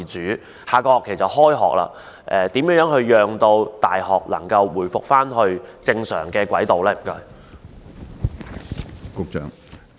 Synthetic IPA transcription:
t͡ʃyː˨˥ | haː˨˧kɔː˧ɔː˨˩kʰe˨˩jsɐ˨t̚hɔː˥jɦɔ̰ː˨k̚la̰ː˧ | ʔɛ˨˧t̪iː˨˥mjœː˥ŋjœː˨˥ŋɦɵ˧ɥjœː˨ŋt̪o˧wt̪a̰ː˨jɦɔː˨k̚lɐ̰˨˩ŋkɐ˧wwuː˨˩jfʊ˨k̚faː˥nɦɵ˧ɥt͡sɪ˧ŋsœ̰ː˨˩ŋkɛː˧kwɐ˨˥jt̪o˨wlɛː˧˥m̩˨˩kɵ˧ɥ | kʊ˧k̚t͡ʃœ̰ː˨ŋ

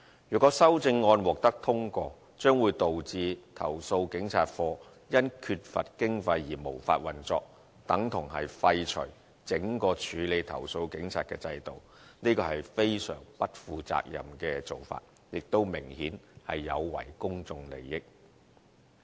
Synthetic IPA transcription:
jyː˨˩kɔ˨˥sɐ˥wt͡sɪ˧ŋːɔː˧nwɔː˨k̚t̪ɐ˥k̚t̪ʰʊ˥ŋkɔː˧ | t͡ʃœː˥ŋwuː˨˧jt̪o˨wt͡siː˧t̪ʰɐ̰˨˩wso˧wkɪ˨˥ŋt͡sʰaː˨˧t̚fɔː˧ | jɐ˥nkʰy˧t̚fɐ̰˨t̚kɪ˥ŋfɐ˧jːiː˨˩mo˨˩wfaː˧t̚wɐ˨nt͡sɔː˧k̚ | t̪ɐ˨˥ŋt̪ʰʊ˨˩ŋhɐ˨jfɐ˧jt͡ʃʰɵ̰˨˩j | t͡sɪ˨˥ŋkɔː˧t͡ʃʰyː˨˧le˨˧jt̪ʰɐ̰˨˩wso˧wkɪ˨˥ŋt͡sʰaː˨˧t̚kɛː˧t͡sɐ˧jt̪o̰˨˩w | niː˥kɔː˧hɐ˨jfe˥jsœ̰ː˨˩ŋpɐ˥t̚fuː˨˧t͡sa̰ː˧k̚jɐ̰˨mkɛː˧t͡so˨˩wfa̰ː˧t̚ | jɪ˨k̚t̪o˥wmɪ˨˩ŋhiː˨˥nhɐ̰˨jːɐ˨˧wwɐ̰˨˩jkʊ˥ŋt͡sʊ˧ŋlḛ˨˩jːɪ˥k̚

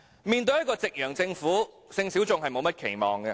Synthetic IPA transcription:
miː˨nt̪ɵ˧ɥjɐ˥tkɔː˧t͡sɪ˨k̚jœː˨˩ŋt͡sɪ˧ŋfuː˨˥ | sɪ˧ŋsiː˨˥wt͡sʊ˨˧ŋɦɐ˨jmo˨˧wmɐ˥t̚kʰe˨˩jmɔː˨ŋɡɛ˧

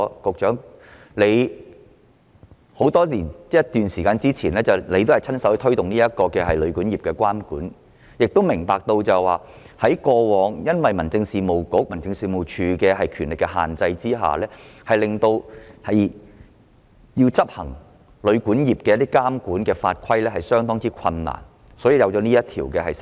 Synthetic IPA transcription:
kʊ˨k̚t͡ʃœː˨˥ŋ | le˨˧j | ho˨˥wt̪ɔː˥liː˨˩n˥jɐ˥t̪yː˨nsiː˨˩kaː˧nt͡siː˥t͡sʰiː˨˩nlɛː˥t͡sɐ˨˩wle˨˧jt̪o˥whɐ˨jt͡sʰɐ˥nsɐ˨˥wht̪ʰɵ˥ɥt̪ʊ˨ŋniː˥jɐ˥t̚kɔː˧kɛː˧ɦɐ˨jlɵ˨˧ɥkuː˨˥njiː˨˩pkɛː˧kwaː˥mkṵː˨˥n | jɪ˨k̚t̪o˥wmɪ˨˩ŋpaː˨k̚t̪o˧wt͡sɐ˨˩jwaː˨˩ | hɐ˨˥jkɔː˧wɔː˨˧ŋjɐ˥nwɐ˨jmɐ˨˩nt͡sɪ˧ŋsiː˨˧mo˨˩wkʊ˨˥k̚mɐ˨˩nt͡sɪ˧ŋsiː˨˧mo˨˩wt͡ʃʰyː˧kɛː˧ɦɐ˨jkʰyː˨˩nlɪ˨˩kːɛ˧ɦa̰ː˨nt͡sɐ˧jt͡siː˥ɦa̰ː˨lɛː˥hɐ˨jlɪ˨ŋt̪o˧whɐ˨j | jiː˧wt͡sɐ˥p̚hɐ˨˩ŋ | lɵ˨˧ɥkuː˨˥njiː˨p̚kɛː˧jɐ˥t̪̬ːi˥kaː˥mkuː˨˥nkɛː˧fa̰ː˧t̚kʰɐ˥jlɛː˥hɐ˨jsœː˥ŋt̪ɔː˥ŋt͡siː˥kʰɐ˧nːa̰ː˨˩n | sɔː˨˥jiː˨˧jɐ˨˧wt͡ʃɔ˨˧˥niː˥jɐ˥t̚t̪ʰiː˨˩wkɛː˧ɦɐ˨js

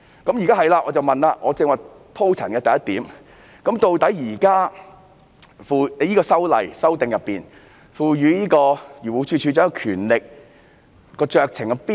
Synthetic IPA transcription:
kɐ˨˥mji˨kaː˥ɦɐ˨jlaː˧ʔɔː˨˧t͡sɐ˨wmɐ˨nlaː˧ʔɔː˨˧t͡sɪ˧ŋwɐ˨j | pʰo˥wt͡sʰɐ˨˩nkɛː˧t̪ɐ˨˩jɐ˥t̪̚iː˨˥m | kɐ˨˥mt̪o˨˧wt̪ɐ˨˥jjiː˨˩kaː˥ | fuː˨˧˨jiː˥kɔː˧sɐ˥wlɐ̰˨jsɐ˥wt̪ɪ˨ŋjɐ˨pːiː˨n | fuː˨jyː˨˥jiː˥kɔː˧jyː˨˩wuː˨˧t͡ʃʰyː˧t͡ʃʰy˨˧t͡sœː˨˥kɔ˧kʰyː˨˩nlɪ˨k̚ | kɔː˧t͡ʃœː˨k̚t͡sʰɪ˨˩ŋkɛ˧piː˥

